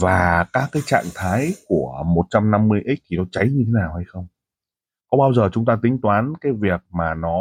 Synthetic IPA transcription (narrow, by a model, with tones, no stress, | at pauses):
vaː˨˩kaː˦˥kːaː˨˦jt͡ɕa̰ː˧˨ŋt̪ʰaː˨˦jku˧˩əmo˨˩t̚t͡ɕa˧mna˧mːɨ˧əjʔi˦˥k̚t͡ɕʰi˨˩nɔ˨˦t͡ɕa˨˦jɲɨ˧t̪ʰe˨˦naː˨˩wha˧jxə˧wŋ͡m | kɔ˨˦ɓaː˧wzəː˨˩t͡ɕʊ˨˦ŋ͡mt̪aː˧t̪ï˨˦ŋ̟t̪waː˨˦nkaː˨˦jvi˨˩ək̚maː˨˩nɔ˨˦